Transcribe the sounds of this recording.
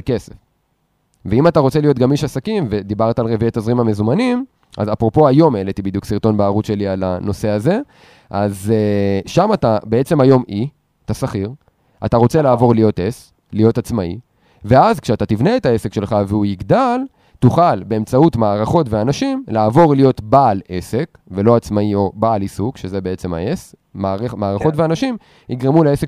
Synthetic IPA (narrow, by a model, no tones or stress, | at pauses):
ke̞sef | veimat̪aʁo̞t͡se̞lijo̞t̪ɡamiʃasakimve̞d̪ibaʁt̪aːlʁeviet̪azʁimhame̞zumanim | a̰zapʁo̞po̞ajo̞melet̪ibid̪juksiʁt̪o̞nbaːʁut͡sʃe̞liala̰no̞se̞aze̞ | ʔazeʃamatabeet͡se̞majo̞mi | t̪asaχiʁ | ataʁo̞t͡se̞laːvo̞ʁlijo̞te̞s | lijo̞tat͡smaḭ | veazkʃeat̪at̪ivneetae̞se̞kʃe̞lχaveujiɡd̪al | tuχalbe̞ːmt͡sautmaːʁaχo̞tveanaʃimlaːvo̞ʁlijo̞tbaːlese̞k | ve̞lo̞at͡smaio̞baːlisukʃeze̞be̞et͡se̞ma̰e̞smaemaːʁaχo̞tveanaʃim | iɡʁemuleesek